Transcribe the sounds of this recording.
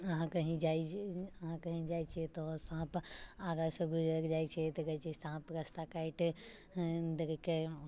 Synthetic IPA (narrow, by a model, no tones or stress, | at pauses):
ɐɦãkɐɦĩd͡ʒaːiɐɦãkɐɦĩd͡ʒaːit͡ʃʰiet̪ɔsãːpaːɡasubʱid͡ʒɾɐkd͡ʒaːit͡ʃʰet̪ɐɡɐt͡ʃisãːpɾɐst̪akaɪʈ | d̪ɐɾike